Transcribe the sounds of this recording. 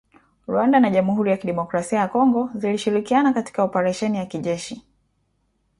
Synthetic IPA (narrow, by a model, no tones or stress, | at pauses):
ɾwandanaʄamuhuɾijakiɗɛmɔkɾasiajakɔŋɡɔziliʃiɾikianakati̥kaupaɾɛʃɛnijakiʄɛʃi